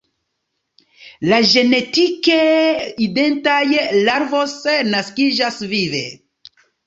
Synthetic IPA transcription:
laʒe̞ne̞tikeide̞ntajlaɾvo̞snaskid͡ʒasvivḛ

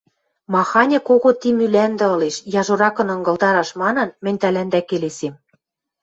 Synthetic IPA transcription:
mɑxɑnʲɤ̆koɣot̪imylænd̪ɘ̆ɤ̆leʃjɑʒoɾɑkɤ̆nɤ̆ŋɡɤ̆ld̪ɑɾɑʃmɑnɤ̆nmɘ̆nʲt̪ælænd̪ækelesem

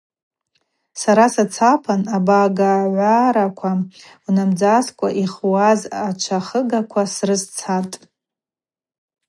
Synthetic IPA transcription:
saɾasat͡sʰapʰanabaɡaʕʷaɾakʷʰa | unamd͡zaskʷʼaʔiχwazat͡ʃʷʰaχəɡakʷʰasrɨst͡sʰatʼ

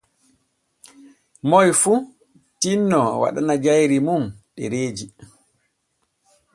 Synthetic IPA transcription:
mɔjfu | tinːɔwa̰ɗanad͡ʒajɾimumɗɛ̰ɾeːd͡ʒi

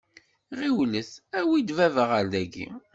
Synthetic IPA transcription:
ʁiwləθæwid̪vævəʁæld̪æɡḭ

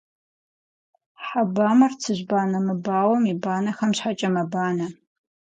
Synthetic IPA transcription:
ħabaːmɐrt͡sʰɨʑbaːnɐmɨbaːwɐmibaːnɐxɐmɕħat͡ʃʼɐmɐbaːnɐ

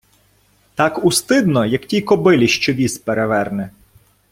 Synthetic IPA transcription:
t̪ɑkust̪ɪd̪nɔjɐktʲijkɔbɪlʲiʃt͡ʃɔʋʲispeɾeʋɛrnɛ

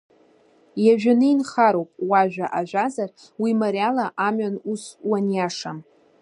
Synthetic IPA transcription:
jaʒᶣanɨinχaɾowpʼwaʒʷᶣaʔaʒʷazar | wimaɾjalaʔamɥanuswanjaʂam

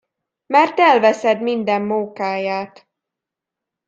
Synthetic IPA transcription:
mɛrt̪ɛlvɛsɛd̪mind̪ɛmːuŋkaːjaːt̪

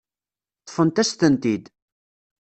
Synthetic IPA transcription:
t̪ˤːə̥fənt̪æst̪ənt̪id̪

